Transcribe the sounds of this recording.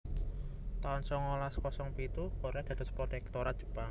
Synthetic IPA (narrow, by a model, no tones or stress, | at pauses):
t̪aɔnsɔŋolaskɔsɔŋpit̪ukoɾad̪̥a̤d̪əspɾɔt̪ɛk̚t̪oɾat̪̚d͡ʒ̥u̥paŋ